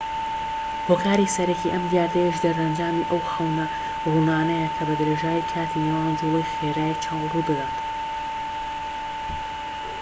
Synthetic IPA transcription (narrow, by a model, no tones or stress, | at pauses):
hoːkʰaːɾisɐɾɐkiʔɐmd̪jaːd̪ɾɐjiʃd̪ɐɾɐnd͡ʒaːmiʔɐwhɐlˠnɐ | runaːnɐjɐkʰɐbɐd̪ɨɾeːʒaːjikʰaːt̪ʰinewaːnd͡ʒulˠejxeɾaːjit͡ʃʰawˠrubɨd̪aːt̪